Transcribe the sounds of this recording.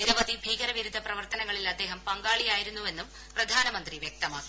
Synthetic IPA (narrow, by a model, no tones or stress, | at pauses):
niɾɐʋɐd̪ibʱiːɣɐɾɐʋiɾud̪ʱːɐprɐʋɐrt̪ɐnɐŋːɐɭilɐd̪ːe̞ːɦɐmpɐŋɡaːɭijaːjiɾunːuʋe̞nːum | prɐd̪ʱaːnɐmɐnd̪riʋjek̚t̪ɐmaːkːi